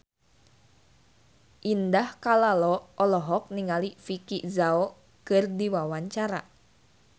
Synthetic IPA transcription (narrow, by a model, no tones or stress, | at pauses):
ʔindahkalalɔʔɔlɔɦɔk̚niŋalifikiʔzaɔ | kɨrdiwawaɲt͡ʃaɾa̰